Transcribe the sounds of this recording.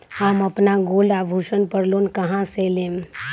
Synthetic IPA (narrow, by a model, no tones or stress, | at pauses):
aməpnaɡoːlabʱuʃənpəɽlonkəɦãseːlem